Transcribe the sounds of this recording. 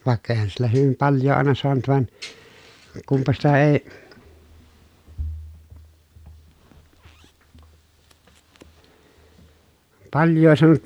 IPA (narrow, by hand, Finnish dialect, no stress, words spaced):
ʋɑˑekːɑ eĭhæn silːæ hyʋim pɑljˑoː ɑˑenɑ soɑnut ʋɑn kumpɑ sitæ eˑi̯ pɑljˑoː soɑnut